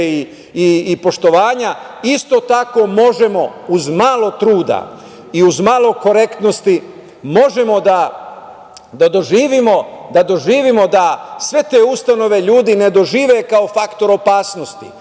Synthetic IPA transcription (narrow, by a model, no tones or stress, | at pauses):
i | iːpo̞ʃt̪o̞ʋaːɲaist̪o̞t̪ako̞mo̞ʒe̞mo̞uzmaːlˠo̞t̪ɾuːd̪a̰ | iuzmaːlˠo̞ko̞ɾe̞kt̪no̞st̪i | mo̞ʒe̞mo̞d̪a | d̪ad̪o̞ʒiːʋimo̞d̪ad̪o̞ʒiːʋimo̞d̪asʋe̞t̪e̞ːust̪ano̞ʋe̞ʎuːd̪ine̞d̪o̞ʒiːʋe̞kao̞fakt̪o̞ɾo̞paːsno̞st̪ḭ